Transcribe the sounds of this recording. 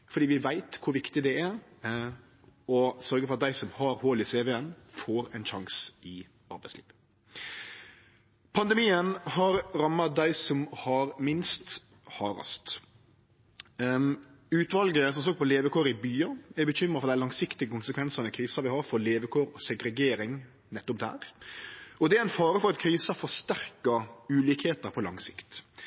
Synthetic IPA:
fɔɖiːʋɪʋæɪt̪kʰʊɾʋɪkt̪ɪd̪ɛæɾ | ɔsœɾɡəfɔɾɑt̪d̪æɪsɔmhɑɾhoːlɪseːʋɛənfoːɾɛɪnʃɑŋsɪ | ɑɾbæɪsliːʋ | pʰɑnd̪əmiːənhɑɾɾɑmːɑd̪æɪsɔmhɑɾmɪnst̪ | hɑːɾɑ̰st̪ | ʉːt̪ʋɑlɡəəsɔmsɔːɡpʰɔleːʋəkʰoːɾɪbyːɑɛɾbəçʏmɾəfɔɾd̪æɪlɑŋsɪkt̪ɪɡəkʰʊnsəkʰʋɛnsɑnəkʰɾiːsɑʋɪhɑɾfɔleːʋəkʰoːɾɔsɛɡɾɛɡeːɾɪŋ | nɛt̪ːʊp̚d̪æ̰ːɾ | ɔd̪ɛæɾæɪnfɑːɾəfɔɾɑt̪kʰɾiːsɑfɔɾst̪æɾkɑʉːliːkheːt̪əɾpʰɔlɑ̰ŋsɪkt̪

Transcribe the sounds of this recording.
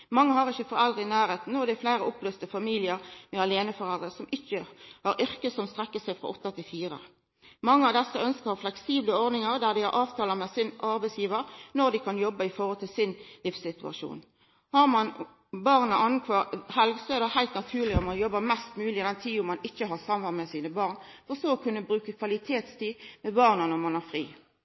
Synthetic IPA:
mɑŋːəɦɑʁɪçːəfɔɾɛld̪ʁəɪnæːɾeːt̪n̩ɔd̪ɛæflæɪɾəʔɔpløːst̪əfɑmiːlɪəʁmɛɑleːnəfɔɾɛld̪ʁəsɔmʔɪçːəhɑɾʔʏʁkəsɔmst̪ʁɛkːəsæɪfɾʁɔ̰ʔɔt̪ːət̪ʰɪlfiːɾə̰ | mɑŋːəɑʋd̪ɛsːəœnskəɾhɑʁflɛksiːbləɔɾd̪nɪŋəʁd̪æːʁd̪ɪhɑ̰ɾʔɑːʋt̪ʰɑːləmɛsɪnʔɑɾbɛɪsjiːʋəɾnɔʁd̪ɪkʰɑnjɔbːəɪfɔhɔlt̪ʰɪlsɪnlɪfsɪt̪ʉɑ̰ʂṵːn | hɑʁmɑn | bɑʁnəʔɑnkʰʋɑhɛlɡsɔɛʁd̪ɛhæɪlt̪nɑt̪ʰʉːʁlɪɔmɑnjɔbːəmɛst̪mʉːlɪɪd̪ɛnt̪ʰiːʊmːɑnɪçːəɦɑʁsɑmʋɑnmɛsiːnəbɑːʁnfɔʁsɔɔkʰʉnːəbɾʉːkəkʰʋɑlɪt̪ʰeːt̪st̪iːmɛbɑʁnənɔmɑnæʁfʁḭː

